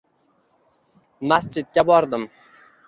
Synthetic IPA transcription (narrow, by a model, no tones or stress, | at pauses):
mast͡ʃɪt̪̚kʲabɒɾd̪ɪm